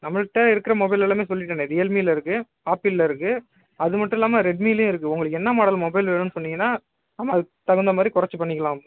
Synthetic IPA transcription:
nɐmːɐɭʈːɐɪɾɯkːɪɾɐmɔbɐɪlɛlaːmeːsɔlːɪʈːɐnːeðiɛlmiːlɐɪɾɯkːɯ | aːpilːɐɪɾɯkːɯ | ɐðɯmɐʈːʊ̃ɪlːaːmɐɾɛɖ̚miːljõɪɾɯkːɯʊŋɡɐɭɯkːɛnːɐmaːɽɐlmɔbɐɪlʋeːɳɯ̃nɯsɔnːɪŋɡɐnːaː | nɐmːaːðɯt̪ɐɣɐnd̪ɐmaːd̪ɾikʊɾɐt͡ʃːɯpɐɳːɪkːɐlãːm

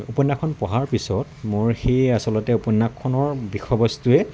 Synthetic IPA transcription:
upɔnːakʰɔnpɔɦaɹpisɔtmoɹxejasɔlɔtɛupɔnːakʰːɔnɔɹbixʰɔbɔstuɛ

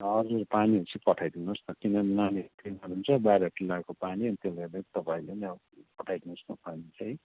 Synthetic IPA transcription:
ʌd͡zurpaniɦot͡sʰipʌʈʰajd̪inust̪ʌkinʌnanikrinʌnɦunt͡sʰʌbajɾʌʈilːakopaniʌnit̪jelerd̪et̪ʌpaĩlenia | pʌʈʰajd̪inusnapanit͡sʰʌj

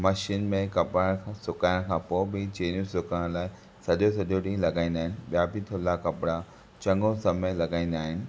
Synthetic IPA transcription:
mɐʃiːnmẽkɐpɾaɽ̃kʰːsʊkaːjɪɽ̃kʰãːpoːɪbɪt͡ɕeːnũsʊkaɽ̃laːɪ | sɐʄosɐʄʱoɗĩːlɐɡaːĩnd̪aːɦɪnɪ̆ɓijabʱit̪ʰolakɐpɪɽa | t͡ɕɐ̃ŋɡõsɐməlɐɡaːĩːn̆d̪aːɦɪnɪ̆

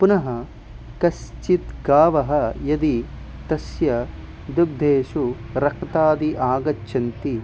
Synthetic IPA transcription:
punɐɦɐ | kɐst͡ʃit̪ɡaːʋɐɦɐjɐd̪i | t̪ɐsjɐ | d̪ub̚d̪ʱeːʃu | ɾɐkʰt̪aːd̪iʔaːɡɐt͡ʃːʃʰɐnt̪i

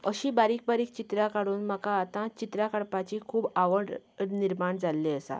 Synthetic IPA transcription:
əɕiːbaɾiːk̚baɾiːk̚t͡ɕit̪ɾakaɽuːnməkaːt̪ãt͡ɕit̪ɾakaɽpat͡ɕikʰuːbaʋəɖniɾmaɳd͡zalːeəsa̰

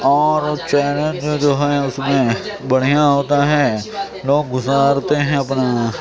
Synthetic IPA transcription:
ɔːɾt͡ʃɛːlẽd͡ʒd͡ʒoːɦɛʊsmẽ | bɐɽ̤ijaɦoːt̪aɦɛː | loːɡːʊzaːɾt̪eɦɛ̃ɐpna

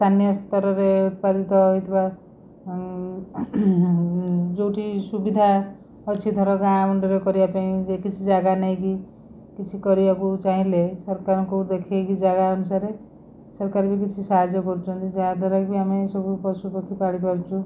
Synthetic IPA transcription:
st̪ʰanjʌst̪ɔɾɔɾeut̪̚paɾit̪ɔit̪ʰba | d͡ʒowʈʰisubid̪ʱa | ʌt͡ʃʰit̪ɔɾɔɡamɔɳɖɔɾekɔɾijapaĩd͡ʒekit͡ʃʰid͡ʒaɡanaĩki | kit͡ʃʰikɔɾiakut͡ʃaɦĩlesʌɾkaɾɔkod̪ekʰekid͡ʒaɡaʌnusaɾe | sʌɾkaɾbikit͡ʃʰisaɦd͡ʒjɔkɔɾt͡ʃʰɔnt̪id͡zad̪ɔɾakbiamesɔbupɔsupɔkʰːipaɽipɔɾt͡ʃʰu

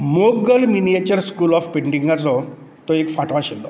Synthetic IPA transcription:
moɡəlminijet͡ɕəɾskuːlɔfpeɳʈiŋɡat͡sɔ | t̪ɔekfaʈʋaɕilɔ

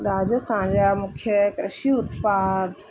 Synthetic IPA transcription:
ɾaːd͡ʒəst̪ʰaːnd͡ʑamʊkʰjəkɾɪʃiʊt̪paːd̪

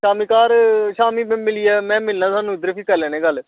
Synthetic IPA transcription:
ʃaːmiːkaːɾʃaːmiːmɪliːɛːmɛ̃ːmɪlnãːsaːnũːɪd̪əɾpʰiːkəɾlɛːnẽːɡəl

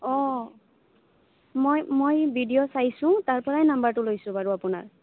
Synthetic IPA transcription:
ɔ | mojmojbʱidijosajsʊ̃taɹpɔɹajnambaɹtʊlojsʊ̃baɹuapʊna̰ɹ

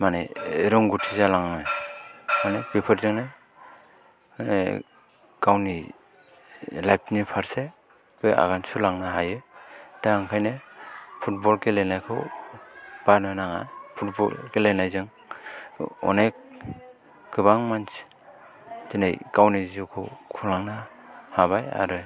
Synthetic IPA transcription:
manḛɾɔŋɡutʰizalaŋnɯj | ɔnek̚bipʰɯɾzɯŋnaj | nḛ | ɡ̥awni | lajp̚ʰnipʰaɾse | b̥ɯja̰ɣansulaŋnaɦajɯtaaŋkʰajnepʰut̚bɔlkelenajkʰɯ̰w | b̥anɯnaŋa̰jpʰut̚bɔ̰lkelenajzɯŋ | ɔ̰nek̚ | ɡɯbaŋmans | tinajkawnizikʰɯ̰kʰulaŋna | haβaja̰ɾɯ

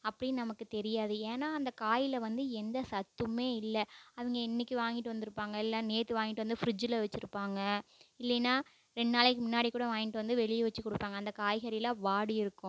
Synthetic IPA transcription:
ɐpːɐɽɪnɐmɐkːɯt̪ɛɾɪjaːðɯeːnaːɐnd̪ɐkaːjɪlɐʋɐnd̪ɯɛnd̪ɐsɐt̪ːɯmeːɪlːɐɐʋɐŋɡɐɪnːɪkʲːiʋaːŋɡɪʈːɯʋɐnd̪ɪɾɯpːaːŋɡɐɛlːãːneːt̪ːɯʋaːŋɡɪʈːɯʋɐnd̪ɯfɾɪd͡ʒɪlɐʋɛt͡ʃːɪɾɯpːaːŋɡɐɪlːɛnːaː | ɾɛɳɖnaːlɛkːɯmʊnːaːɽikːuːɽɐʋaːŋɡɪʈːɯʋɐnd̪ɯʋɛɭɪjɐʋɐt͡ʃːikːɔɽɯpːaːŋɡɐːnd̪ɐkaːjɣɐɾɪlɐʋaːɽɯjɪɾɯkːʊ̃

